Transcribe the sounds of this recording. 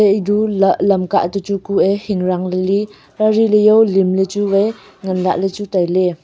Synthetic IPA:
eʔidullɐmkaʔt̪ut͡sukuʔehiŋɾaŋleli | ɾaɾilejowlimlet͡subaj | ŋanla̰ʔlet͡sutajle

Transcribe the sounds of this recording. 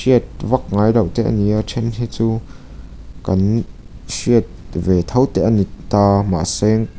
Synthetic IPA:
siət̪̚vɐk̚ŋajlɐwt̪ɛʔa̰niʔat͡ʃʰɛnɦit͡suː | kɐn | siət̪̚vɛt̪ʰɐwt̪ɛʔanit̪aːma̰sɛŋ

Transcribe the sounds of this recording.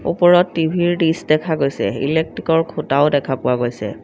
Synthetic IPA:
ṵpɔɹɔtːibʱiɹɖisdɛkʰaɡojsɛ̰ḭlek̚tɹikɔɹkʰutaʊdɛkʰapʊwaɡojsɛ̰

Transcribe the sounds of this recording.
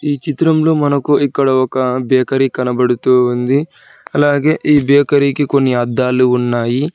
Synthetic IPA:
iːt͡ʃit̪ɾɐmlo̞ːmɐnɐkuikːɐɽɐɔkɐbɛːkɐɾikɐnɐbɐɽut̪uːund̪i | ɐlaːɡe̞ːʔiːbɛːkɐɾikiko̞nːiɐd̪ːaːluːnːaːji

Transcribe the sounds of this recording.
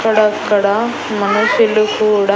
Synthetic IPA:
kɐɽɐkɐɽɐ | mɐnɐsilukuːɽɐ

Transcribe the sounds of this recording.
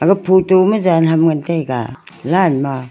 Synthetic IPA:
aɡapʰutomazanɦamŋantajɡa̰ | lanma

